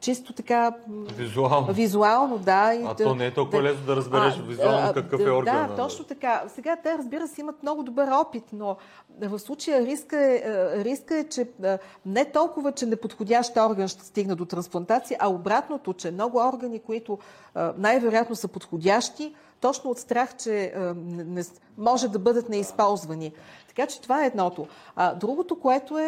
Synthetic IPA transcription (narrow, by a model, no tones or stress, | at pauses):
t͡ʃist̪ot̪ɐkavizualˠnvizualˠnod̪aiɐɔnɛɛt̪ɔlˠk̪vɐlɛsnod̪ɐɾəzbɛaɾɛʃvizuallˠnkɐkəfɛɔɾɡd̪att̪ɔt͡ʃnot̪ɐkasɛɡat̪ɛɾəzbiɾəsɛimət̪mnɔɡʊd̪obəɾɔpit̪no | vɐfslˠut͡ʃəjəɾiskəɛɾiskəɛt͡ʃɛ | nɛt̪ɔlˠkʊvət͡ʃɛnɛpot̪xodʲaʃt̪ɔɾɡənʃt̪ɛ̥st̪iɡnəd̪ot̪ɾɐnsplˠɐnt̪at̪sijəʔɐobɾat̪not̪ot͡ʃɛmnɔɡʊɔɾɡənikoit̪ʊ | najvɛɾojat̪nosəpot̪xodʲaʃt̪i | t̪ɔt͡ʃnoːt̪st̪ɾaxt͡ʃɛnɛnɛ | mɔʒɛd̪ɐbɤd̪ət̪nɛispɔlˠzvɐnit̪ɐ̥kat͡ʃɛ̥t̪ovaɛːd̪nɔt̪oɐd̪ɾuɡot̪okoɛt̪oɛ